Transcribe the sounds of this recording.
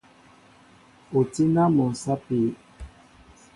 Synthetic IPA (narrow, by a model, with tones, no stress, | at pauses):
o˨ti˦na˦mɔ˨sa˦pi˨˦